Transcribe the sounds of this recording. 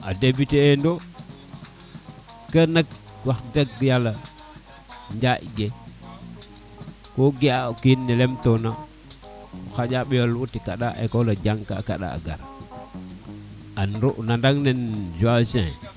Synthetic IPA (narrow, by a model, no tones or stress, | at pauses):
a̰debiteːndo | kənak̚ | waxɡaɡjala | ɲd͡ʒaʔiɡe | koɡiakinːelemtona | xad͡ʒaɓijolwutikaɗaʔḛkolad͡ʒaŋka̰ka̰ɗa̰a̰ɡa̰ɾ | anɾoʔnandaŋnend͡ʒuasḛ̃